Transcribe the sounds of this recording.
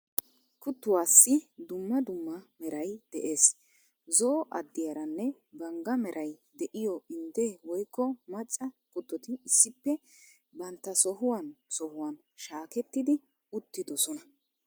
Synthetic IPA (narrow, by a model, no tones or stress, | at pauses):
kʊt̪ːʊwaːsːɪd̪ʊmːɐd̪ʊmːɐmɛɾɐjd̪̥ɛʔe̞ːs | zɔʔɐ̰d̪ːɪjɐɾɐnːɛ | bɐŋɡɐmɛɾʔɐjd̪ɛʔɪjɔɪnd̪ɛwɔjkːɔmɐt͡ʃʼːɐkʊt̪ːɔt̪ɪːsːɪpːɛ | bɐnt̪ːɐsɔɦʊwɐnsɔhʊwɐn | ʃaːkɛt̪ːɪd̪ɪ | ʊt̪ːɪd̪ɔsɔnɐ